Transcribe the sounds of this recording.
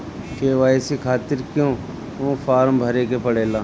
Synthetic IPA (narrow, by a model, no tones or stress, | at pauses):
keːʋaːjsikʰaːt̪ɪɾkjõː | õːfʰaːɾmbʱɐɾeːkepɐɽeːlãː